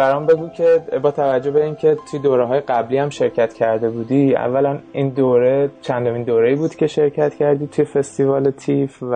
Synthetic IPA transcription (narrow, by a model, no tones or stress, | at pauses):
b̥æɾɒːmbe̞ɡuːcʰe̞bɒːt̪ʰævæd͡ʒːobe̞iːncʰe̞t̪ʰujed̪oːɾeɦɒːje̞ɡæbliːæmʃe̞ɾcʰæt̪cʰæɾd̪e̞buːd̪iːæ̰vːælæniːnd̪oːɾet͡ʃʰænd̪omiːnd̪oːɾeiːbuːd̪̥cʰʲe̞ʃe̞ɾcʰæt̪cʰæɾd̪iːt̪ʰuje̞fe̞st̪ivɒːlet̪ʰif